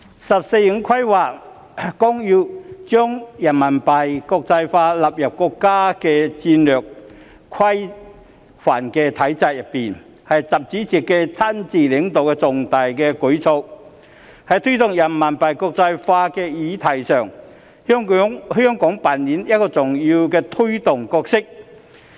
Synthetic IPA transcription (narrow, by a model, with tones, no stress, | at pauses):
sɐ˨p̚se˧jɪ˨˥ŋkʰɐ˥jwaː˨˩ | kɔ˥ŋjyː˧wt͡ʃœː˥ŋjɐ˨˩nmɐ˨˩npɐ˨jkɔː˧k̚t͡sɐ˧jfaː˧la˨p̚jɐ˨˩p̚kɔː˧kːaː˥kɛː˧t͡siː˧nlœː˨k̚ | kʰɐ˥j | fa̰ː˨˩nkɛː˧t̪ʰɐ˨˥jt͡saː˧k̚jɐ˨pːiː˨˩n | hɐ˨jt͡sɐ˨p̚t͡siː˨˥t͡siː˨˩kːɛ˧t͡sʰaː˥nt͡siː˨˩lɪ˨˥ŋt̪o˨wkɛː˧t͡sʊ˨ŋt̪aː˨jkɛː˧kɵ˨˥ɥt͡sʰo˧w | hɐ˨˥jt̪ʰɵ˥ɥt̪ʊ˨ŋjɐ˨˩nmɐ˨˩npɐ˨˩jkɔː˧k̚t͡sɐ˧jfaː˧kɛː˧jiː˨˧t̪ʰɐ˨˩jsœː˨˩ŋ | hœː˥ŋ˥hœː˥ŋkɔː˨˥ŋpaː˨nniː˨˥njɐ˥t̚kɔː˧t͡sʊ˨˩ŋjiː˧wkɛː˧t̪ʰɵ˥ɥt̪ʊ˨˩ŋkɔː˧k̚sɪ˥k̚